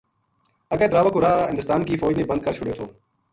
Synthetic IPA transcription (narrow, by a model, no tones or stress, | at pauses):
əɡɛ̃ːt̪ɾaːʋəkʊɾaːɦɪnd̪əst̪aːnkiːfoːd͡ʒnẽːbənd̪̚kəɾt͡ʃʰʊɽjoːt̪ʰoː